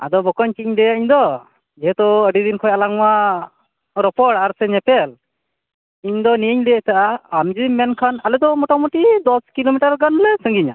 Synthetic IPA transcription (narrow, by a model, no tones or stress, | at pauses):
a̰d̪ɔbɔkɔɲt͡ʃiiɲd̪ɛjaʔiɲd̪ɔ | d͡ʒɛɦɛt̪ɔəɖid̪inkʰɔjalaŋwa | ɾɔpɔɽaɾsɛɲɛpɛl | iɲd̪ɔniiɲd̪ɛjat̪aʔaamd͡ʒimɛnkʰanalɛd̪ɔmɔʈamuʈid̪ɔskilomiʈaɾɡanlɛsəŋɡiɲa̰